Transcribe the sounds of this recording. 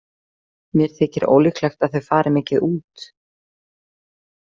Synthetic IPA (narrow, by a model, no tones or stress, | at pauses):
mjɛɾ̥t̪ʰɛːcɪɾo̰ːwlɪklajxt̪aðθœɥfaːɾɪmɛːcɪðuːt̪